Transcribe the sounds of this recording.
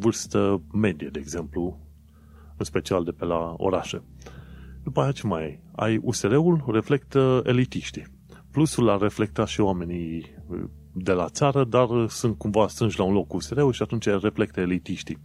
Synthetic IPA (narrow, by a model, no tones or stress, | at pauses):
vɨrst̪əme̞d̪ijed̪e̞ːɡze̞mplu | ɨnspe̞t͡ʃiald̪e̞pelao̞̰ɾaʃḛ | d̪upajat͡ʃemaja̰juse̞ɾe̞ulre̞fle̞kt̪əe̞̰lit̪iʃt̪i | plusulare̞fle̞k̚t̪at̪ʃioame̞ni | d̪e̞lat̪saɾəd̪arsunt̪̚kumvaːst̪ɾɨnʒlaunlo̞kːuːse̞ɾe̞ulʃiat̪unt͡ʃajre̞fle̞k̚t̪əelit̪iʃt̪i